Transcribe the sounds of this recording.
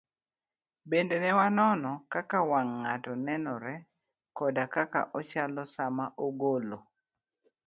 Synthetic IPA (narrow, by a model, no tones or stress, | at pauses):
bendenɛwanɔnɔkakawaŋːatɔnɛnɔɾɛ | kɔdakaka̰ʔɔt͡ʃalɔsamaʔoɡolo